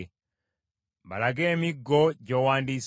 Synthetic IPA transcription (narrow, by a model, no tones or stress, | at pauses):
mba̰laɡɛmiɡːɔɟɔwandis